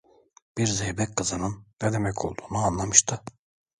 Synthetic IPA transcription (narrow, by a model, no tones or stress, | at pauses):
b̥iɾzejbɛkkʰːɯzɯnɯnːɛd̪emɛcʰo̞̰lˠd̪uːnuanlˠamɯʃt̪ʰɯ